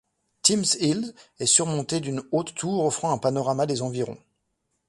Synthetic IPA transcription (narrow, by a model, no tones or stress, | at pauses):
t̪imsilzɛsyʁmɔ̃t̪ed̪ynot̪ːuʁɔfχɑ̃ɛ̃panɔʁamad̪ezɑ̃viʁɔ̰̃